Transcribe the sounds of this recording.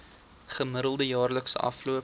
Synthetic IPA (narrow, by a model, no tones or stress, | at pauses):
χəməɾəlˠdəjɑːrləksəʔɐ̰fluə